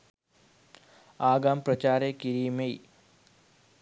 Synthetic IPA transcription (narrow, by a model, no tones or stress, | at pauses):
aːɡaːmprɐt͡ɕaːɾekiɾiːmej